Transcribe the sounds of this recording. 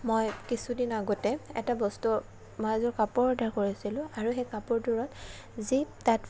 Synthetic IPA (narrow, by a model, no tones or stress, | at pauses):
mojkisudinaɡɔtɛɛ̰tabɔstu | mojazɔɹkapɔɹɔdʱaɹkoɹisilʊ̃aɹuxɛkapɔɹduɹɔt | zitat